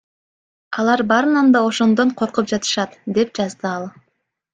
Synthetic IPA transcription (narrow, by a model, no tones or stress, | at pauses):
ɑlˠɑɾbɑɾɯnɑnd̪ɑo̞ʃo̞nd̪oɴqʰo̞ɾqup̚d͡ʒɑt̪ɯ̥ʃɑt̪d̪e̞p̚d͡ʒɑzd̪ɯɑlˠ